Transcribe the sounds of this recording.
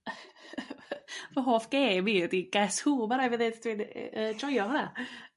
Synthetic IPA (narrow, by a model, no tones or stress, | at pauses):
vɔɦoːfɡ̥eːmiədiɡ̥ɛshuːmaɾavɛðedd̥win̰əd͡ʒɔjɔhɔna